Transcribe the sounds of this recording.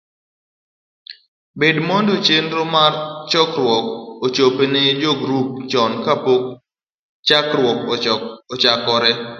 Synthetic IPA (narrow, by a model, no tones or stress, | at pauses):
bedmondot͡ʃenɾomart͡ʃɔkɾwɔkot͡ʃopened͡ʒoɡɾup̚t͡ʃɔnkapok̚ | t͡ʃakɾwɔkoot͡ʃakɔɾɛ